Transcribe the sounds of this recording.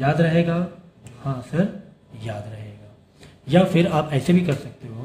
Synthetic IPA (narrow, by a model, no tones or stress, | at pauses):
jaːd̪ɾɐɦeːɡaː | hãːsɐɾ | jaːd̪ɾɐɦeːɡaː | jaːfɪɾaːpɛːsebʱikɐɾsɐk̚t̪eɦõː